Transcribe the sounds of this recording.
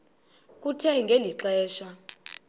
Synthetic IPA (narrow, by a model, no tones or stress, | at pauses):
k̬ʼutʰɛŋɡʱeliǁɛːʃa